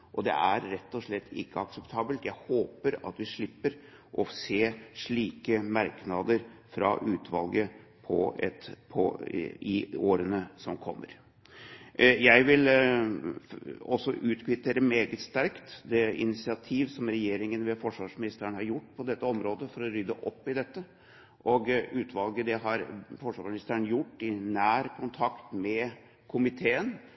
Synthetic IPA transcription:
ʔɔd̪ɛ̰ʔæɾɾɛt̪ːɔʂɭɛt̪ʰːɪ̰kːəɑksɛpt̪ʰɑːbəlt̪jæɪhoːpəɾɑ̰t̪ʋɪʂɭɪpːəɾ | ʔɔseːʂɭiːkəmɑɾknɑd̪əɾfɾɑ̰ʔʉːt̪ʰʋɑlɡəpʰɔ̰ɛt̪pʰɔ̰ɪoːɾənəsɔmkʰɔmːə̰ɾ | jæɪʋɪl | ɔsːɔʔʉːt̪kʰʋɪt̪eːɾəmeːɡət̪st̪æɾkt̪d̪ɛɪ̰nɪsɪɑt̪ʰiːʋsɔmɾɛjeːɾɪŋənʋɛfɔʂʋɑːʂmɪnɪst̪əɾəɳhɑɾjʊʈːpʰɔd̪ɛt̪ːəɔmɾoːd̪əfɔɾɔɾʏd̪əʔɔpːɪd̪ɛt̪ːə | ʔɔɡʉːt̪ʰʋɑlɡəd̪ɛɦɑɾfɔʂʋɑ̰ːʂmnɪst̪əɾəɳjʊʈːɪnæːɾkʰʊnt̪ʰɑkt̪mɛ | kʰʊmɪt̪ʰeːən

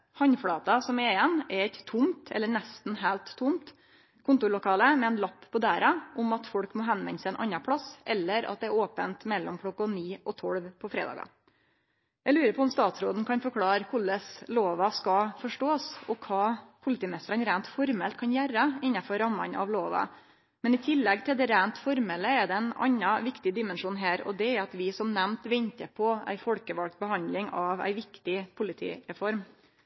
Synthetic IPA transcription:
hɑɲfɽɑːt̪ɑsɔmɛɪɛnːɛɾɛt̪ʰːʊmt̪ʰɛ̰lːəɳɛst̪n̩ɦæːlt̪ʰːʊmt̪ | kʰʊnt̪ʊɾɭʊkʰɑːləmɛɛnlɑpːpːɔd̪æːɾɑʔʊmɑt̪fɔɽkmoːɦɛnʋɛ̰nsɛɛnʔɑ̰nɑpʰɽɑsʔɛlːəɾɑ̰t̪̚d̪ɛæɾoːpənt̪mɛlːɔ̰mkʰlɔkːɑniːʔɔt̪ʰɔɽʋpʰɔfɾḛːd̪ɑ̰ːɡɑ̰ | jælʉːɾəpʰɔɔmst̪ɑːt̪sɾoːd̪n̩kʰɑnfɔɾkʰlɑːɾkʰʊɭəsloːʋɑskɑfɔʂʈoːsɔkʰɑːpʰʊlɪt̪iːmnɪst̪əɾənɾæːnt̪fɔɾmɛlt̪̚kʰɑnjæɾəɪnːɑfɔɾɑmːɑ̰nʔɑ̰ʋloːʋɑ̰ | mɛnɪt̪ʰɪlːɛɡt̪ʰɪld̪ɛɾæːnt̪fɔɾmɛləɛd̪ɛɛnɑ̰ɲːɑʋɪkt̪ɪd̪ɪmɛnʂuːnɦæːɾɔ̰d̪ɛæɑt̪ʋɪsɔmnɛmt̪ʋɛɲt̪əpʰɔæ̰ɪfɔlkəʋɑlk̚t̪̚bəhɑnd̪lɪŋɑʋæ̰ɪʋɪkt̪ɪpʰʊlɪt̪ʰḭːɾɛfɔɾm

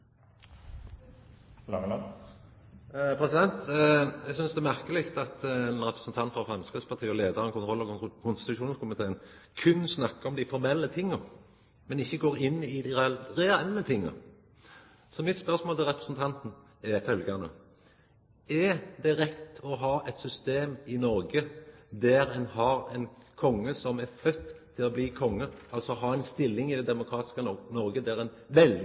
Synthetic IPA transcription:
ɑ | pʰɾɛsɪd̪ɛnt̪ɛɡsʏnsd̪ɛæmæʁkəlɪkt̪ɑt̪ɛnɾɛpɾəsn̩t̪ʰɑnt̪fɾɑfɾɑnskɾɪspɑʁt̪ʰiːɔleːd̪ɑɾɔmkʰʊnt̪ʰʁɔlːɔkʰʊnst̪ɪ̥t̪ʉʃuːnəskʊmɪt̪ʰeːən | kʰʉnsnɑkːəɔmd̪æɪfɔɾmɛlːət̪ʰɪŋːə | mɛnɪçːəɡoːɾɪnːɪd̪ɪʁɛɛlːət̪ʰɪŋːə̰ | sɔmɪt̪spœɾsmoːlt̪ʰɪlɾʁɛpɾəsn̩t̪ʰɑnt̪n̩ | ɛɾfœlɡɑnə̰ | ɛd̪ɛɾɛt̪ːɔɦɑːʔɛt̪sʏst̪eːmɪnɔɾɡəd̪æɾɛnɦɑɾɛɪnkʰɔŋːəsɔmæɾfœt̪ʰːɪlɔbliːkʰɔŋːəɑlsɔɦɑɛɪnst̪ɪlːɪŋɪd̪ɛd̪ɛmʊkʰɾɑːt̪ɪ̥skənɔɾɡəd̪æɾɛnʋɛl

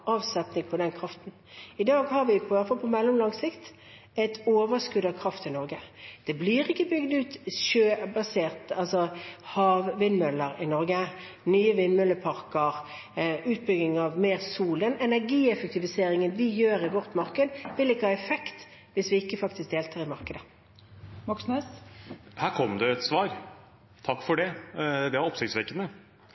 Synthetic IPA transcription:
ʔɑːʋsɛp̪nɪŋpʰɔd̪ɛnkʰʁɑft̪n̩ | ɪd̪ɑːɡhɑʁʋɪpʰɔʋæfɑlpʰɔmɛlːɔmlɑŋsɪkt̪ | ɛt̪ʰoːʋəskʉd̪ɑkʰʁɑft̪ɪnɔɾɡəd̪̥ɛbliːʁɪkːəbʏɡd̪ʉːt̪ʃøːbɑseːʁt̪əɑlsɔhɑːʋʋɪnmœlːəʁɪnɔɾɡə | nyːəʋɪnmœlːəpʰɑʁkəʁ | ʉːt̪̚bʏɡɪŋɑʋmeːʁsuːld̪ənɛnæʁɡiːɛfək̚t̪ɪʋɪseːɾɪŋənʋɪjøːʁɪʋɔʁt̪mɑʁkəd̪ʋɪlɪkːəhɑːɛfɛkt̪ | ʋɪsʋɪɪkːəfɑkt̪ɪsk̚d̪eːlt̪ʰɑːʁɪmɑʁkəd̪ə | mɑksnɛshæːɾkʰɔmd̪ɛɛt̪sʋɑːɾ | t̪ʰɑkːfɔɖɛd̪ɛʋɑɾɔpsɪkt̪sʋɛkːənə

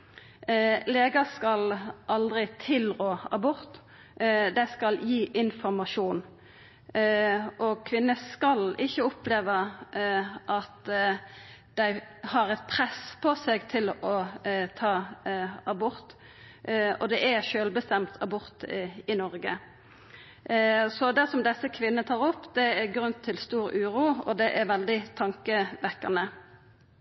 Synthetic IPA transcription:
leːɡɑskɑlʔɑld̪ʁɪt̪ʰɪlʁoːɑbʊʁt̪ | d̪æɪskɑljiːʔɪnfɔʁmɑʂuːn | ʔɔkʰʋɪnːəskɑlɪçːəʊpleːʋə | ʔɑt̪ | d̪̥æɪhɑʁɛt̪̚pʰʁɛspʰɔsɛɡt̪ʰɪlɔt̪ʰɑːɑbʊʁt̪ | ɔ̰d̪ɛʔæʃøːlbəst̪ɛmt̪ʰɑbʊʁt̪ɪnɔʁɡə | sɔd̪æsɔmd̪ɛsːəkʰʋɪnːət̪ʰɑːʁɔpːd̪ɛːɡɾʉnt̪ʰːɪlst̪uːɾʉːʁuːɔ̰d̪ɛʔɛɾʋɛld̪ɪt̪ʰɑŋkəʋɛkːɑnə

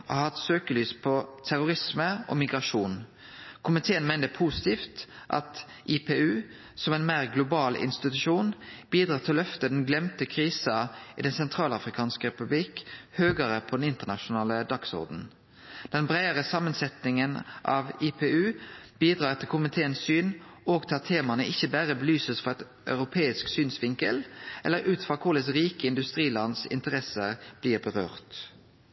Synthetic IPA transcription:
ʔɔ̰hɑt̪søːkəlyːspʰɔt̪ʰæʁʊɾɪsməɔ̰mɪɡʁɑʂuːn | kʰʊmɪt̪ʰeːənmæɪnəpʰuːsɪt̪ʰiːft̪ʔɑ̰t̪ | ʔɪpʰeʉː | sɔmɛɪnmæɪʁɡlʊbɑːlɪ̰nst̪ɪt̪ʉʂuːnb̥iːd̪ʁɑːʁt̪ʰɪlɔlœft̪əd̪ɛnɡlɛmt̪əkʰʁiːsɑɪ̰ːd̪ɛnsɛnt̪ʰʁɑːlɑfɾɪkʰɑːnskəʁɛpʉblikhøːɡəɾəpʰɔd̪ɛnɪnt̪ənɑʃʊnɑːləd̪ɑksɔ̰ʁd̪n̩ | d̪̥ɛnbʁæɪəʁəsɑmːənsɛt̪nɪŋənʔɑ̰ʋipʰeːʉːb̥iːd̪ʁɑːʁt̪ʰɪlkʰʊmɪt̪ʰeːənsyːnoːɡt̪ʰɑt̪ʰːeːmɑnəʔɪçːəbæːʁəbəlyːsəsfɔʁɛt̪ | ʔœʉʁʊpʰeːɪsksyːnsʋɪŋkə̰lʔɛlːəɾʉːt̪fʁɑkʰʊʁləsʁiːkəɪnd̪ʉst̪ʁiːlɑnsɪ̰nt̪əʁɛsəʁb̥liːʁbəʁø̰ːʁt̪

